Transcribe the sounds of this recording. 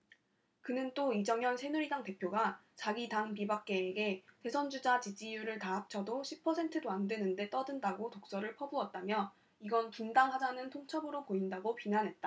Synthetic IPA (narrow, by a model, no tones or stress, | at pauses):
kɯnɯnt͈oid͡ʑʌŋjʌnsʰe̞nuɾidaŋte̞pʰjoɡat͡ɕaɡidaŋpibak̚k͈e̞ːɡe̞te̞sʰʌnd͡ʑud͡ʑat͡ɕid͡ʑijuɾɯɭtaɦak̚t͡ɕʰʌdoɕʰipʰʌsʰe̞ntʰɯdoandwenɯnde̞t͈ʌdɯndaɡotok̚s͈ʌɾɯɭpʰʌbuʌt̚t͈amjʌ | iɡʌntundaŋɦad͡ʑanɯntʰoŋt͡ɕʰʌbɯɾopoindaɡopinanɦe̞t̚t͈a